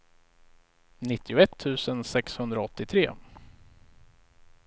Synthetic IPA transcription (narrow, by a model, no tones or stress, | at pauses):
nɪt̪ʰːɪʊɛt̪ʰːʉ̟ːsənsɛkshɵnd̪ɾaɔt̪ːɪt̪ʰɾeː